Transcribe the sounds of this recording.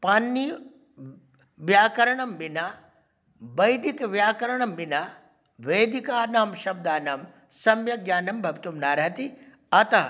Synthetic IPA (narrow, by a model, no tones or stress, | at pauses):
paːnːiː | ʋjaːkɐɾɐɳɐmbinaː | bɐjd̪ikʋjaːkɐɾɐɳɐmbinaː | ʋeːd̪ikaːnaːmʃɐb̚d̪aːnaːm | sɐmjɐɡjaːnɐmbʱɐʋt̪umnaːɾɦɐt̪i | ɐt̪ɐɦ